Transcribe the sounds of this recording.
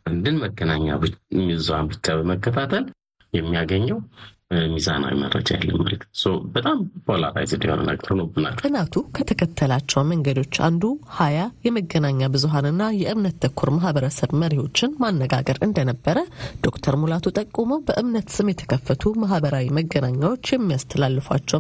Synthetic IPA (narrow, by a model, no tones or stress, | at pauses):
ʔand̪ɨnməɡːənaɲːa̰mizuhanbɨt͡ʃːabəməkːət̪ʰat̪ʰəl | jɛmːijaɡəɲːɛw | miza̰na̰wḭmə̰ɾːə̰d͡ʒajɛ̰lːəmːa̰lət̪səwbət̪ʼampʰola̰ɾa̰jzɨnd̪ihonə̰nə̰ɡɾnəwbɨna̰lt̪ɨnat̪ʰukʰət̪ʰəkʰət̪ʰːəlat͡ʃːɛwməŋɡəd̪o̞t͡ʃːa̰nd̪uhajajɛməɡənaɲːabɨzuɦanɨnːajɛʔɨmnət̪ːəkʰːuɾmaɦbəɾəsəβməɾiho̞t͡ʃːɪnmanːəɡa̰ɡəɾɨnd̪ənəbːəɾəd̪̥o̞kt̪ʰəɾmulat̪ʰut̪ʼəkʼːuməwbəʔɨmnət̪sɨmjɛt̪ʰə̥kʰəfːət̪ʰumaɦbəɾawiməɡːənaɲːawo̞t͡ʃːjɛmːijast̪ʰəlalːɨfwa̰t͡ʃːɛw